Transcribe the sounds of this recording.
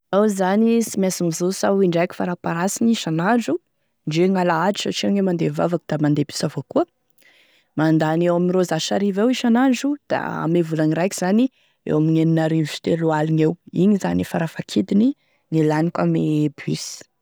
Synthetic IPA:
awzanisimasimizosawiɳɖ͡ʐajku̥faɾapaɾasiniʃanaɳɖ͡ʐu | ɳɖ͡ʐeŋalaad͡ʒi̥saʈ͡ʂiaŋemand̪eva̰vakud̪̥amand̪ebi̥savokuə | mand̪anewaminrozaʃaɾivewiʃanaɳɖ͡ʐud̪̥a̰a̰mevulaniɾajkiz̥ani | ḛwamineninaɾivit̪elualinewiɲizanifaɾafakʰid̪ini | ŋilanikʲamebisi̥

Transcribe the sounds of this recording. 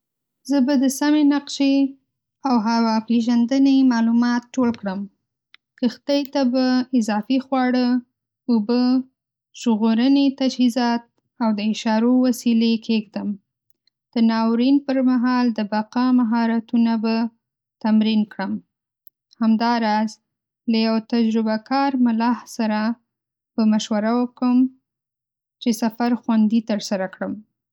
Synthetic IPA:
zəbad̪əsamenaqʃe | awɦawapeʒand̪ənəmɑlumɑt̪̚ʈolkɽəm | kəxt̪ajt̪abaɪzɑfixwɑɽə | ubə | ʒɣoɾənet̪ad͡ʒhizɑt̪̚ | awd̪əɪʃɑɾowasilekʰexd̪əm | d̪̥ənɑwɾinpəɾmaɦɑld̪əbaqɑmaɦɑɾat̪unaba | t̪amɾinkɽəm | hamd̪ɑɾɑz | lajawt̪ad͡ʒɾʊbakɑɾmʊlɑhsaɾa | pəmaʃwaɾawəkəm | t͡ʃesafaɾxwand̪it̪əɾsaɾakɽəm

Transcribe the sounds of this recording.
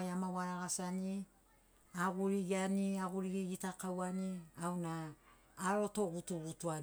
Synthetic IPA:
jamawaɾaɡasani | aɡuɾiɡianiaɡuɾiɡiɡitakawaniawnaː | ɾo̞to̞ɡutuɡutua

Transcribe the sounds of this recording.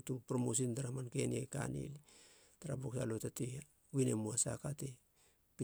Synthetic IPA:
tupɾomos̬intaɾamankenieka̰nḭli | taɾaboksalotati | winemuasa̰kate | pi

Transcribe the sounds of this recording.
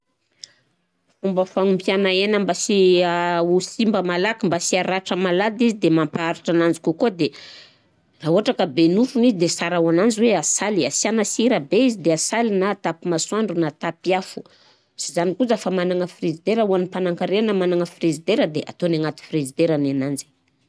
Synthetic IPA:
fumbəfaŋumpjanaenambasiausimbəmalakimbasiaɾaʈ͡ʂəmalad̪izid̪emampaaɾiʈ͡ʂanand͡zi̥kukod̪e | auaʈ͡ʂakəbenufunizid̪esaɾawanand͡ziweasaliasianasiɾəbeizid̪easalinat̪apimasuaɳɖ͡ʐunat̪apiafu̥ | sizanikuzafəmanaŋəfrizid̪eɾəuanipanaŋkaɾeanamanaŋəfrizid̪eɾəd̪eʔa̰t̪onaŋat̪i̥frizid̪eɾananand͡ʒe̥

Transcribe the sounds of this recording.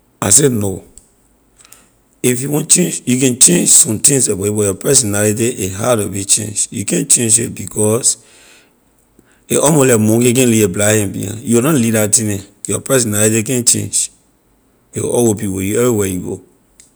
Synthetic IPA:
asɛno | ifjuwɔ̃nt͡ʃẽnd͡ʒjukɛ̃nt͡ʃẽnd͡ʒsɔ̃mtĩŋseweibɔjɔpɛsɔnalit̬iʔeɦadɔbit͡ʃḛ̃nd͡ʒjṵkɛ̃nt͡ʃẽnd͡ʒit̚bikʰɔs | eʔɔmolɛmɔ̃ŋkek̬ɛ̃nlieblahɛ̃mbḭã̰judɔ̃nlidatĩnɛ̃jɔpɛs̬ɔnalitikɛ̃nt͡ʃḛ̃nd͡ʒ | jɔ̰ʔɔwopiwojuɛvɹiwɛjuɡo̰

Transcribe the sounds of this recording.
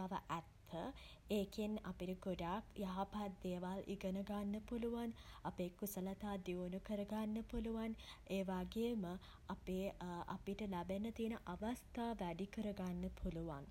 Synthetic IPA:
aʋəʔæt̪ʰːə | eːkina̰piʈəɡoɖaːkjaɦapaːt̪̚d̪eːʋalʔḭɡənəɡanːəpuluʋanapeːkusəlɐt̪aːd̪joːnukəɾəɡanːəpuluʋaneːʋaːɡeːmə | apeːʔa̰piʈəlæbenət̪iənəʔaʋast̪aːʋæɖikəɾəɡanːəpʰuluʋan

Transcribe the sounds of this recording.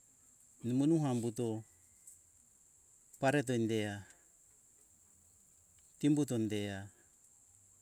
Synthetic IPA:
nimonuɦambuto | paɾet̬ondea | timbut̬ondea

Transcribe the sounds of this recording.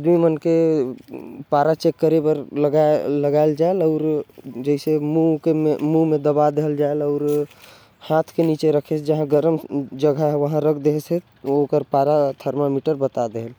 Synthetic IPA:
d̪mimənke | paɾat͡ʃekːəɾebəɾləɡaləɡaeld͡ʒaeləʊɾd͡ʒəisemukemumed̪əbad̪eɦəld͡ʒaeləʊɾ | hat̪ʰkenit͡ʃeɾəkʰesd͡ʒəɦãɡəɾəmd͡ʒəɡʱaɦʋəɦãɾəkʰd̪eɦse | okəɾpaɾat̪ʰəɾmamiʈəɾbət̪ad̪eɦəl

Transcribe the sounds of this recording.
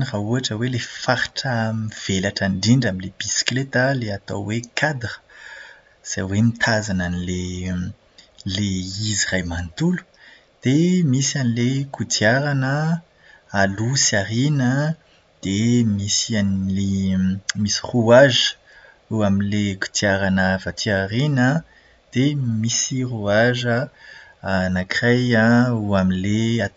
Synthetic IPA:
nirauaʈ͡ʂəwelefaɾʈ͡ʂəmiv̥elaʈ͡ʂaɳɖ͡ʐiɳɖ͡ʐaminleb̥isi̥klet̪əleat̪o̰wwekʰad̪rə̥ | z̥ajwemit̪ʰazananile | leizirajmant̪ulu̥ | d̪̥emisanilekʰut̪iaɾanə | alusiaɾinə | d̪̥emisanle | misi̥ruaʒə̥ | uaminleku̥t̪ʰiaɾanəvat̪ʰiaɾinə | d̪̥emisiruaʒə | anakrajauaminlea

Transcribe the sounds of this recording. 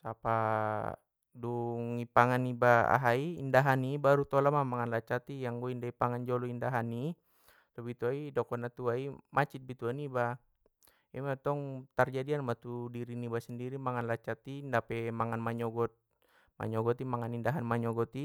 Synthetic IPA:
sapa | duŋipaŋanibaa̰ɦaiːndaɦanibaɾut̪ɔlamamaŋanlat͡ʃat̪ijaŋɡɔindaipaŋand͡ʒɔlɔindaɦani | t̪ɔbit̪uaidɔkɔnat̪uaimʔat͡ʃit̪̚bit̪uaniba | imat̪ɔŋt̪ard͡ʒadianmat̪udiɾinibasəndiɾimaŋanlat͡ʃat̪indapɛmaŋanmaɲɔɡɔt̪̚ | ma̰ɲɔɡɔt̪imaŋanindaɦanmaɲɔɡɔt̪i

